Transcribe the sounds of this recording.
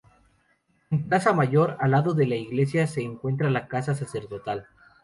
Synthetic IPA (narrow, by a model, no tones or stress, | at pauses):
eŋkasamaʝo̞ɾalaðo̞ðe̞laiɣle̞sjase̞ːŋkwe̞nt̪̬ɾalakasas̬ase̞ɾðo̞t̪al